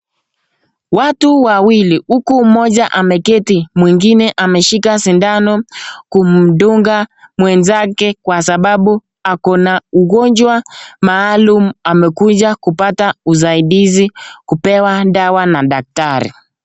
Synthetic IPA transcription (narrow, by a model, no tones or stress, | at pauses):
watuwawilihukumɔʄaʔamɛkɛtimwiŋɡinɛʔamɛʃikasindanɔkum̩ɗuŋɡamwɛnzakɛkwasaɓaɓu | akɔnauɣɔɲd͡ʒwamaːlumuamɛkuʄakupatauzaiɗizikupɛwaɗawanaɗak̚taɾḭ